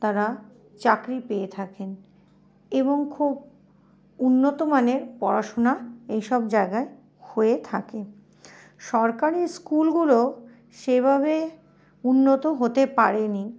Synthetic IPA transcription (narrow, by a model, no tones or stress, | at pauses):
t̪aɾa | t͡ɕakɾipeet̪ʰaken | eβoŋkʰub | unːot̪omaneɾpɔɾaʃonaejʃɔb̚d͡ʑaeɡae | hoet̪ʰake | ʃɔɾkaɾiskulɡulo | ʃebʱaβe | unːot̪oɦot̪epaɾeni